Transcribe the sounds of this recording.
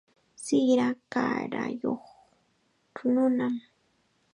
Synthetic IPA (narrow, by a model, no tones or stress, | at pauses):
sɪɾakaɾajoχ | ʈ͡ʂʊnʊnam